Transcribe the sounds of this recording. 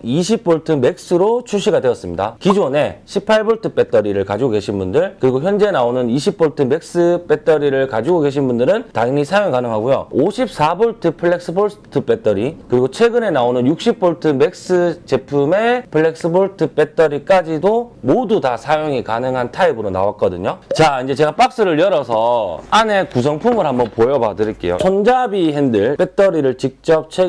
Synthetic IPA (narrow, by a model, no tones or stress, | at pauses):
iɕʰip̚p͈oɭtʰɯme̞k̚s͈ɯɾot͡ɕʰuɕʰiɡadwe̞ʌs͈ɯmɲida̰kid͡ʑone̞ɕʰipʰaɭboɭtʰɯp͈e̞t͈ʌɾiɾɯɭkad͡ʑiɡoɡe̞ɕʰinbundɯɭkɯɾiɡoçjʌnd͡ʑe̞naonɯniɕʰip̚p͈oɭtʰɯme̞k̚s͈ɯp͈e̞t͈ʌɾiɾɯɭkad͡ʑiɡoɡe̞ɕ̬ʰinbundɯɾɯntaŋnisʰajoŋkanɯŋɦaɡujo̰oɕʰip̚s͈aboɭtʰɯpʰɯɭːe̞k̚s͈ɯboɭtʰɯp͈e̞t͈ʌɾikɯɾiɡot͡ɕʰwe̞ɡɯne̞naonɯnjuk̚ɕ͈ip̚p͈ʰoɭtʰɯme̞k̚s͈ɯt͡ɕe̞pʰume̞pʰɯɭːek̚s͈ɯboɭtʰɯp͈e̞t͈ʰʌɾik͈ad͡ʑidomodutasʰajoŋikanɯŋɦantʰaibɯɾona̰wak͈̚ʌdɯɲot͡ɕaind͡ʑe̞t͡ɕe̞ɡap͈ak̚s͈ɯɾɯɭjʌɾʌsʰʌane̞kus̬ʰʌŋpʰumɯɭhambʌnpojʌba̰dɯɾik͈e̞̰jo̰t͡ɕʰʌnd͡ʑabiɦendɯɭp͈e̞t͈ʌɾiɾɯɭt͡ɕik̚t͡ɕ͈ʌp̚t͡ɕʰe